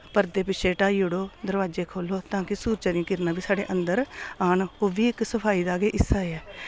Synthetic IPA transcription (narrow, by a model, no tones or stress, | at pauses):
pəɾd̪eːpɪt͡ʃʰeːʈaːiːʊɽoːd̪əɾʋaːd͡ʒeːkʰoːloːt̪ãːkɪsuːɾt͡ʃaːɾĩãːkɪɾnaːbiːsaːɽḛːʔənd̪əɾaːɳoːʋiːɪksəpʰaːiːd̪aːɡeːʔɪsːaːeɛː